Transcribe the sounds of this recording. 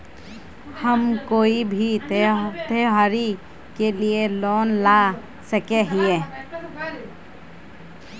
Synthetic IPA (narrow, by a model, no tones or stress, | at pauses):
həmkoːibʱi | t̪eɦaːɾi | kelielɔːnlaː | səkeɦie